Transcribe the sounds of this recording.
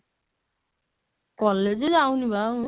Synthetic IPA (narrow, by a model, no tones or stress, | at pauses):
kɔled͡ʒedawniba